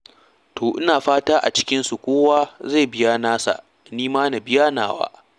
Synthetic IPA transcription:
toː˨ʔɪ˦naː˨ɸaː˦taː˦ʔa̰˨t͡ʃɪ̥˦kʲɪ˦nsu˨kʷoː˦waː˦za˦˨bɪ˦jaː˦naː˦sa̰˨ʔ | niː˦maː˦na˨bɪ˦jaː˦naː˨wa̰ː˦

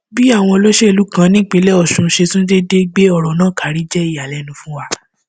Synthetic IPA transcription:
bi˦a˦˨w̃ɔ̃˧lo˦ʃe˦e˨lu˨˦kã˦nĩ˦k͡pe˨˧˦lɛ˦ɔ˦˨ʃũ˧ʃe˧tũ˦de˦de˦ɡ͡be˦ɔ˦˨ɾɔ˨nãː˦˨ka˨ɾi˨˦d͡ʒɛ˦i˦˨ja˨lɛ˨˦nũ˧fũ˦wa˧

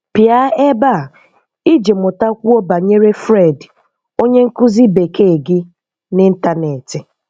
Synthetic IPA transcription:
pja˦e˦ba˦˨ | i˦d͡ʒe˨mʊ˨ta˦kʷu˦o˦ba˨ɲe˦ɾe˦fɾe˦˨d | o˦ɲe˦ŋ̩˦kʊ˦zi˦be˨ke˦˨ɡɪ˦ | nɪ˦n̩˦ta˦ne˨tɪ˨

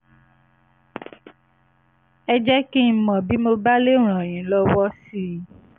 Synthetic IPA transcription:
ɛ˧d͡ʒɛ˦kẽ˦˨˦mɔ̃˨bi˦mo˧ba˦le˦˨ɾ̃ɔ̃˨j̃ĩ˨˦lɔ˦wɔ˦si˦

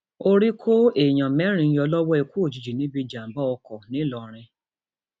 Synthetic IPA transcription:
o˦ɾi˦kʰo˦e˨j̃ã˨mɛ̃˨˦ɾ̃ĩ˧˦ɔ˧lɔ˦wɔ˦e˧ku˦o˦˨d͡ʒi˨d͡ʒi˨nĩ˨˦bi˧d͡ʒa˨m̩˨˦bɔ˦ɔ˧kɔ˨nĩ˨˦lɔ˨ɾ̃ĩ˧

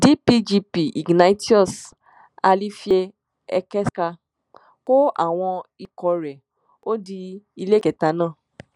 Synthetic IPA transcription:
di˨˦pi˦d͡ʒi˧pi˨ʔi˨ɡna˧i˦ti˦ɔ˦˨s | a˧li˦fi˦e˧ | ɛ˧kɛ˦ska˧ | ko˦a̰˦˨w̃ɔ̃˧i˧kɔ˧ɾɛ˨ | o˦di˧i˧le˦kɛ˨ta˧nãː˦˨

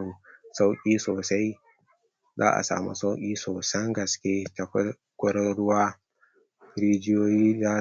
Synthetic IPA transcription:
u˨sa˦wkʲʼiː˦soː˨sa˦j | za̰ː˦ʔa̰˨sa̰ː˨mṵ˦sa˦wkʲʼiː˦soː˨sɐ˦ŋɡɐ˨skʲeː˦ta˨kɐ˦ | kʷɔ˦ɾɔ˦ɽʊ˦waː˦ | ɾi˦d͡ʒɪ˦joː˦jiː˦za˦

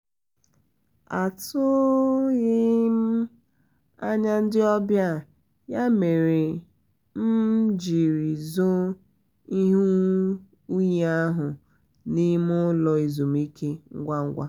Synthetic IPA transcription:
a˨tʊ˦ɣɪ˦m̩˦ | a˦ɲa˦n̩˦dɪ˦ɔ˦bja˦˨ | ja˦me˨ɾe˨ | m̩˦d͡ʒi˨ɾi˨zo˦ | i˦ɦu˦ | u˦ɲ˨˦a˦ɦʊ˨ | ni˦mʊ˦lɔ˨i˨zo˨m̩˦i˦kʰe˦ŋ̩˦ɡʷa˦ŋ̩˦ɡʷa̰˦

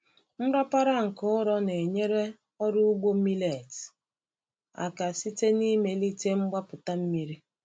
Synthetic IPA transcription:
m̩˦ɾa˦pa˦ɾa˦ŋ̩˨kʊ˦ɾɔ˦ne˨ɲe˦ɾe˦ | ɔ˦ɾʊ˦u˦ɡ͡bo˦mi˦le˨t | a̰˨ka˨si˦te˦ni˦me˨li˦te˦ŋ͡m̩˦ɡ͡ba˦pʊ˨ta˦m̩˦mi˦ɾi˦

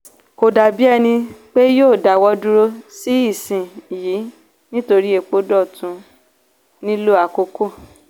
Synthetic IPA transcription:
ko˨da˨bi˦ɛ˦˧nĩ˧k͡pe˦joː˦˨da˨wɔ˧dũ˦ɾo˦si˦i˦˨sĩ˨jiː˨˦ | nĩ˦to˧ɾi˦e˨k͡po˦dɔ˦˨tũ˧˦ | nĩ˦lo˦a˨ko˧ko˦˨

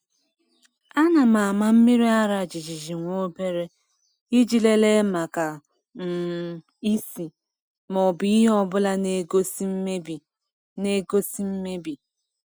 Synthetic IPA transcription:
a˦na˨ma˨a˨ma˦m̩˦mi˦ɾi˦a˦ɾa˨d͡ʒi˨d͡ʒi˨d͡ʒi˨ŋʷo˦be˦ɾe˦ | i˦d͡ʒi˨le˦le˦ma˨ka˨ | n̩˨ | i˦si˨ | mɔ˨bi˨˦i˦ɦɔ˦bʊ˦la˦ne˦ɡo˦s̩˦bi˨ | ne˦ɡo˦si˦m̩˦me˦bi˨

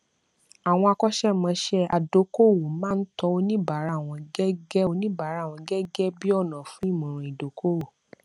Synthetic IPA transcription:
a˨w̃ɔ̃˧a˧kɔ˦ʃɛ˦mã˨˧˦ʃɛ˦a˨do˨˦ko˦˨wo˨mãː˦n̩˦tɔ˧o˧nĩ˦ba˨˦ɾa˨˦˨w̃ɔ̃˧ɡɛ˦ɡɛ˦o˧nĩ˦ba˨˦ɾa˨˦˨w̃ɔ̃˧ɡɛ˦ɡɛ˦bi˦ɔ˦˨nã˨fũ˦i˦˨mũ˨ɾ̃ũ˨i˨do˨ko˦wo˨

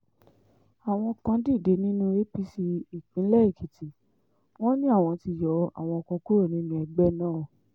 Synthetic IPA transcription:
a˨w̃ɔ̃˧kã˧˦di˦˨de˨˦nĩ˦nũ˦e˦pi˦si˧i˨kĩ˨˦lɛ˦i˦˨kʰi˨ti˨ | w̃ɔ̃˦nĩ˦a˦˨w̃ɔ̃˧ti˧jɔ˨˧˦a̰˦˨w̃ɔ̃˧ɔ˧kũ˧ku˦o˦˨nĩ˨˦nũ˧˦ɛ˧ɡ͡bɛ˦nãː˦˨

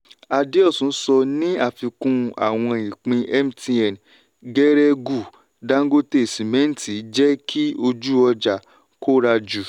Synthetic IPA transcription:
a˧de˦ɔ˦˨sũ˨˦sɔ˧nĩ˦a˦˨fi˧kũ˧a̰˨w̃ɔ̃˧i˨k͡pĩ˧ɛ˦m˦ti˧ɛ˨n˨ | ɡɛ˦ɾɛ˦ɡu˨ | da˦ɡo˦te˦˨sĩ˨mɛ̃˨˦n̩˨ti˨˦d͡ʒɛ˦kʰi˦o˧d͡ʒu˦ɔ˧d͡ʒa˨ | ko˦ɾa˧d͡ʒu˨

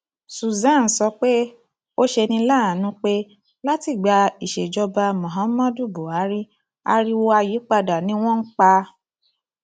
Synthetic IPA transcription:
su˨zã˨˦˨n̩˨˦sɔ˧k͡pe˦ | o˦ʃe˧nĩ˧la˦˨nũ˨˦k͡pe˦ | la˦ti˦˨ɡ͡ba˧i˨ʃe˨d͡ʒɔ˧ba˧mɔ̃˨ɦã˨˦mã˦du˦˨bo˨a˨˦ɾi˦ | a̰˧ɾi˦wo˧a˧ji˨˦k͡pa˧da˨nĩ˨˦w̃ɔ̃˦n̩˦k͡pa˧

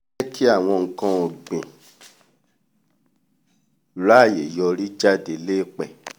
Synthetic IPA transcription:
kʰi˦a˦˨w̃ɔ̃˧ŋ̩˨kã˧o˨ɡ͡bḛ̃˨ | la˦˨je˨jɔ˧ɾi˦d͡ʒa˦de˨le˦˨k͡pɛ˨

